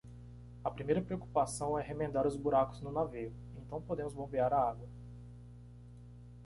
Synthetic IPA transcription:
ɐpɾimejɾɐpɾeoku̥pasɐ̃w̃ɛɦemẽnd̪aɾʊzbuɾakʊznʊnaveʊ | ẽnt̪ɐ̃w̃pod̪ẽmʊzbõbeaɾɐaɡwɐ

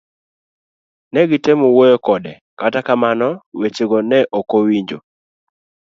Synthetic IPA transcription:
nɛɡɪtemowojɔkɔdɛ | katakamanɔwet͡ʃeɡonɛʔokowiɲd͡ʒo

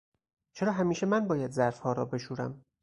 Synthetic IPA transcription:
t͡ʃʰe̞ɾɒːɦæmiːʃe̞mænbɒːjæd̪zæɾfhɒːɾɒ̰ːbe̞ʃuːɾæ̰m

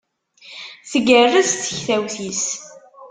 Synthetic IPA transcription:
θəɡərːəsθə̥çθæwθis

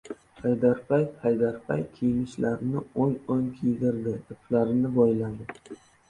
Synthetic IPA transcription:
hajd̪aɾpʰajhajd̪aɾpʰa̰jkʲʰijmɪʃlaɾɪnɪoŋoŋkʲʰid̪ɪɾd̪ɪɪpʰlaɾɪnɪbɒjlad̪ɪ

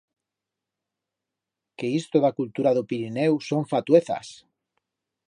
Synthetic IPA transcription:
keist̪oðakult̪uɾaðopiɾinewsoɱfat̪ueθa̰s

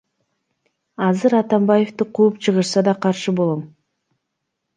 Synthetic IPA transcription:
ɑzɯɾɑt̪ɑmbaje̞ft̪ɨqʰuːpt͡ʃʰɯʁɯʃsɑd̪ɑqʰɑɾʃɯbo̞lˠom

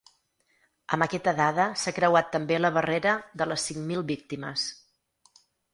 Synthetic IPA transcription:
əmbəkɛt̪əðaðəsakɾəwat̪ːəmbeləβ̞əreɾəðələsːiŋmilˠβik̚t̪imə̰s

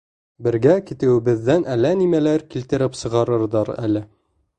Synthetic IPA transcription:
bɘ̆ɾɡækit̪ɘ̆wɘ̆bɘ̆ðːænʔælænimælæɾkilt̪ɘ̆ɾɘpsɤ̆ʁɑɾɤ̆ɾðɑɾæ̰lɘ

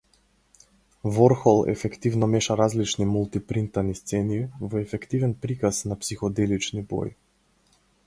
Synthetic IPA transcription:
vɔɾxɔlˠɛ̰fɛkt̪ivnɔmɛʃaɾazlit͡ʃnimulˠt̪ipɾint̪anist̪sɛnivɔɛfɛkt̪ivɛnpɾikasnapsixɔd̪ɛlit͡ʃnibo̰j

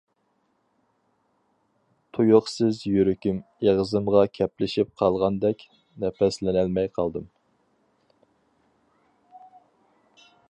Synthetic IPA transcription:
t̪ʰujoqsɪzjyɾykʲym | eʁzɨmʁɑkʲʰɛplɪʃip̚qʰɑlˠʁɑnd̪ɛkʲ | nɛpɛslɪnælmɛjqʰɑlˠd̪ɨm

